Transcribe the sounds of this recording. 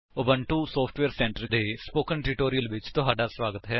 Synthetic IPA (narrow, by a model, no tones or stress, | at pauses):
obəɳʈuːsoːpʰʈʋeːɾsɛ̃ːɳʈəɾd̪eːspoːkənʈɾiʈoːɾijəlʋɪt͡ʃt̪ʊɦaːɖaːsʋaːɡət̪ɦɛː